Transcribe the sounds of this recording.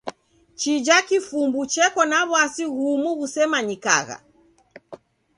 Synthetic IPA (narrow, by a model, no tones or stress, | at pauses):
t͡ʃid͡ʒakifumbut͡ʃɛkɔnaβwasiɣumuɣusɛmaɲika̰ɣa̰